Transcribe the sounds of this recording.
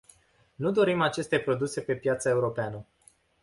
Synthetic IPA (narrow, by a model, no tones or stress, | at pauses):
nud̪o̞ɾimat͡ʃe̞st̪e̞pɾo̞d̪use̞pe̞pjat̪səe̞uɾo̞peanə